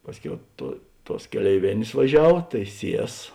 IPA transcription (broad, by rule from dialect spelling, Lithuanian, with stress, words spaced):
ˈpɑːsʲˌkʲɛʊ tuɔ ˈtuɔs kʲɛlʲɛɪˈʋʲeːnʲeːs ʋɐˈʒʲɛw tɐɪ ˈsʲiɛs